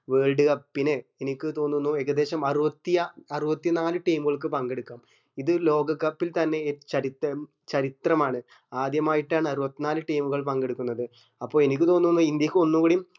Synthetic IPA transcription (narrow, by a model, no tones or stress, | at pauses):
ʋeːɻɖuɣɐpinːeenikʲːɨt̪o̞ːnːunːueɣɐd̪e̞ːɕɐmɐrubɐt̪ːijɐɐrubɐt̪ːinaːlɨʈijmuɣɐɭk̬ːɨpɐŋɡe̞ɽukːaːm | iðɨlo̞ːɡɐkːɐpːilt̪ɐnːe̞t͡ɕɐɾit̪ | t͡ɕɐɾit̪rɐmaːɳɨ | aːd̪jɐmaːjiʈːaːɳɨɐrubɐt̪ːinaːlɨʈijmuɣɐɭpɐŋɡe̞ɽukːunːɐðɨ | ɐpːo̞ːɭenikʲːɨt̪o̞ːnːunːuind̪jɐkʲːɨo̞nːukuɽijm